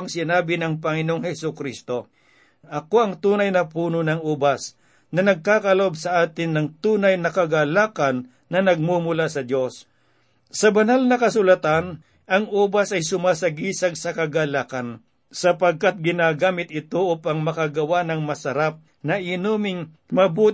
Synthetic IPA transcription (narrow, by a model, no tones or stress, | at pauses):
ŋsɪnaːbɪnɐŋp̬ɐŋɪnoːŋhɛsʊkɾist̪o̞ | ʔɐko̞ɐŋt̪uːnɐjnɐpuːnonɐŋuːbɐs | nɐnɐɡ̚kaːkɐlɐobsɐʔaːt̪ɪnːɐŋt̪uːnɐjnɐkɐɡalaːkɐnː | ɐnɐɡ̚mumʊlasɐd̪jo̞s | sɐbɐnalnɐkɐsʊlɐt̪an | ʔɐŋʔuːbɐsɐjsʊmaːsɐɡiːsɐɡ̚sɐkɐɡalaːkɐn | sɐpɐɡ̚kat̪̚ɡɪnaːɡaːmɪt̪̚ɪt̪oʔʊpaŋmɐkaɡɐwanɐŋmɐsɐɾap̚ | nɐɪnuːmɪŋ | mɐbuːt̪